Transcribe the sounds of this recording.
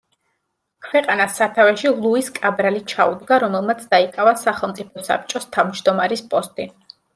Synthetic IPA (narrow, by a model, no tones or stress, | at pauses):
kʰwɛqʼanasːat̪ʰavɛʃilˠuiskʼabɾalit͡ʃʰaud̪ɡaɾɔmɛlˠmat̪sʰd̪aikʼavasaχɛlˠmt̪sʼipʰɔsa̰p̚t͡ʃʼɔst̪ʰavmd͡ʒd̪ɔmaɾispʼɔst̪ʼi